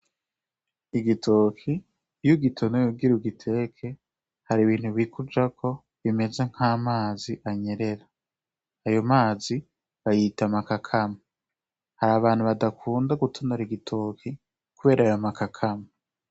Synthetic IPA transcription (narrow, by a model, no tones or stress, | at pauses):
iɡitʰokʰi | juɡitʰonojuɡiɾuɡitʰe̞kʰe̞ | haɾiβiːn̥huβikʰud͡ʒakʰo̞ | βime̞ze̞ŋ̥haːmaːziʔaɲe̞ɾe̞ɾaː | jo̞maːzi | βajitamakakʰama | haɾaβaːn̥uβadakʰuːndaɡutʰonaɾiɡitʰokʰi | kuβe̞ːɾaajomakakʰama